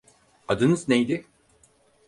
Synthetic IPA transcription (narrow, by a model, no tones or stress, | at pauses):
ad̪ɯnɯznejd̪ɪ